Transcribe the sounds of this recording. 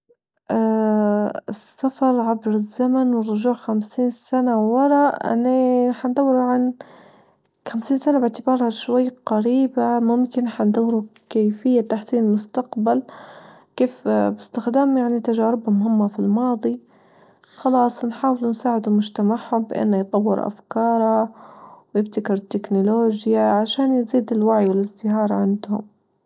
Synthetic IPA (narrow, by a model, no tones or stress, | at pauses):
ʔaː | ɪsːafɑɾˤʕabɾɪzːamanwɪrˤːʊʒuːʕxamsiːnsanawwɑɾˤɑʔʔɪ̰nːiħand̪awːɪɾuʕan | xamsiːnsanabɪʕt̪ɪbɑːɾˤhaʃwajːqaɾiːbamʊmkɪnħand̪awːɪɾukajfɪjːat̪aħsiːnmʊst̪aqbal | keːfbɪst̪ɪxd̪aːmjaʕnit̪aʒaːɾɪbhʊmhʊmːafilmɑːd̪ˤi | xɑlɑːsˤnħaːwɪlunsaːʕɪd̪umʊd͡ʒt̪amaʕhʊmbɪʔɪ̰nːajt̪ˤɑwːɪ̰ɾʔa̰fkɑːɾˤawjɪbt̪akɪɾt̪ːɪknʊloːd͡ʒjaʕaʃaːnjziːd̪ɪlwaʕjwɪlɪzd̪ɪhɑːɾˤʕɪnd̪hʊ̰m